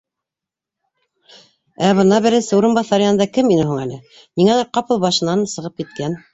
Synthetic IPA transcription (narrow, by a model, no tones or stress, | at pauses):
æβɤ̆nɑbɘ̆ɾɘ̆sɘuɾɤ̆nbɑθɑɾjɑɤnd̪ɑkɘminɘɦuŋælɘ | niŋælæɾqɑpɤlˠbɑʃɤ̆nɑnsɤ̆ʁɤp̚kit̪̚kæn